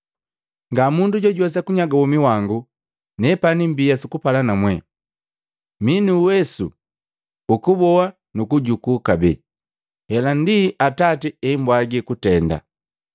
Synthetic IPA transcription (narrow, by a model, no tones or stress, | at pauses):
ŋɡamunduɟɔɟwas̬akuɲaɡawɔmiwaŋɡu | nɛpanimbijasikupalanamwɛ | minuwɛsṵː | kubɔwa | nukuɟukukabɛ̰ | hɛlandiʔatatiɛimbwaɡikutɛnda̰